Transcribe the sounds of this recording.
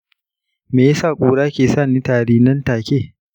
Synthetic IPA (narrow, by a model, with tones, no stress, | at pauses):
meː˨ja˦saː˦˨kʷʼuː˨ɽaː˦kʲeː˨saː˦˨niː˦taː˨ɽiː˦nɐ˦ntaː˨kʲeː˦˨